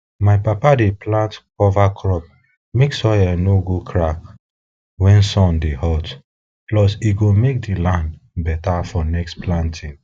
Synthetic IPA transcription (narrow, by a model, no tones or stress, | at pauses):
maɪpapadeplãntkɔvakʰɹɔp̚ | meksɔjɛnoɡokʰɹak | wɛ̃nsɔ̃ndehɔt | plɔsiɡomek̚dilãndbɛtafɔnɛkstplãntʰĩŋ